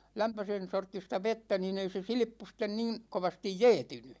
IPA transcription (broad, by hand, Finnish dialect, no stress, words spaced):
læmpøsen sortːistɑ ʋetːæ nin ei se silĭpːu sten niːn koʋɑstij jɛːtyny